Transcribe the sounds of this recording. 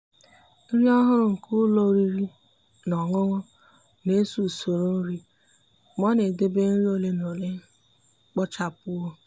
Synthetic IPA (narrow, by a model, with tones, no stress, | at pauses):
n̩˦ɾi˦ɔ˦ɦʊ˦ɾʊ˨ŋ̩˨kʰʊ˦lo˦˨˦ɾi˦ɾi˦ | nɔ˨ŋʊ˦ŋʊ˦ | ne˦su˨so˨ɾo˦n̩˦ɾi˦ | mɔ˦ne˨de˦be˦n̩˦ɾi˦o˨le˦no˨le˦ | k͡pɔ˦t͡ʃa˦pʊ˦o˦